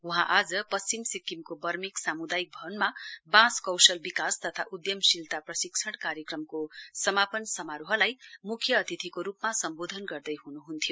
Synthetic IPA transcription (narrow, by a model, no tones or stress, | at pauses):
uɦãʔad͡zʌpʌst͡ɕimsikːimkobʌrmiksamud̪ajik̚bʱʌnmabãskʌwsʌlbikast̪ʌt̪ʰaʔud̪jʌmsilt̪aprʌsiksʰʌɽ̃kaɾjekrʌmkosʌmapʌnsʌmaɾuɦʌlajmukʰjʌːt̪it̪ʰikoɾupmasʌmbod̪ʱʌnɡʌrd̪ʌjɦunuɦunt̪ʰijo